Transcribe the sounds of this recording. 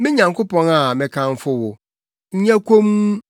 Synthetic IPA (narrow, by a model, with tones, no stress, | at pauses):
mɪ̃˦ɲã˨ŋkʰo˦pɔ̃˦na˨mɪ̃˨kʰã˦ɱ˦fʊ˦wʊ˨ | ɲ̩˦ɲa˦kʰõ˦m˦